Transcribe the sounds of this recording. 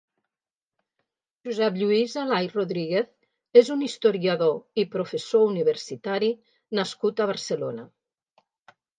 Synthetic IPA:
ʒuzɛpʎuizalajroðɾiɣeθ | ezunist̪oɾiaðoipɾofesouniβ̞eɾsit̪aɾi | naskut̪əβ̞əɾselonə

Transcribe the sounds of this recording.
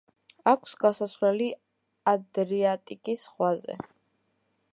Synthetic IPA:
akʷʰsɡasaslɛli | ad̪ɾiat̪ʼikʼisχwazɛ̰

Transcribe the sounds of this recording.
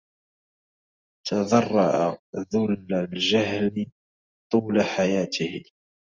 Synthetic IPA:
t̪ʰɑðɑrˤːɑʕaðʊlːald͡ʒaɦlɪ | t̪ˤuːlaħajaːt̪ʰɪh

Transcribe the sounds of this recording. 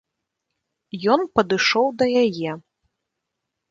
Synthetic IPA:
jɔnpɐd̪ɨʂɔwd̪ɐjajɛ

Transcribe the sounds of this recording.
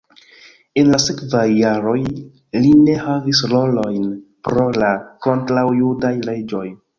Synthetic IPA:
e̞nlasekvajːaɾo̞j | line̞havisɾo̞lo̞jnpɾo̞lako̞ntɾawjudajle̞d͡ʒo̞j

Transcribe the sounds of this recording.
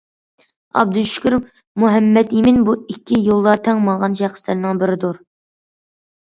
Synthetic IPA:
ɑ̰b̚d̪uʃʊ̥kʲɾ | muɦɛmːɛt̪imɪnbuikʲʰːijulˠːɑt̪ʰɛŋmɑʁɑnʃæχslɪɾnɨŋbɪɾɪd̪uɾ

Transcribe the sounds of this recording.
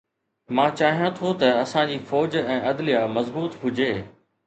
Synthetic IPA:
mãːt͡ɕaːɦijãt̪ʰot̪ɐɐsãd͡ʑiːfɔːd͡ʑɛ̃ːʔɐd̪lijamɐzbuːt̪ɦʊd͡ʑeː

